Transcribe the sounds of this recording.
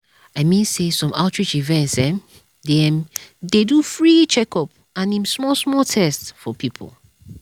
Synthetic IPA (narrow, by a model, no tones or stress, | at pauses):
aɪmĩnsesɔ̃maltʰɹit͡ʃivɛ̃ntsɛ̃m | dɛmdedufɹit͡ʃɛkɔp̚ | ãnĩmsmɔlsmɔltʰɛstsfɔpʰipʰo̰l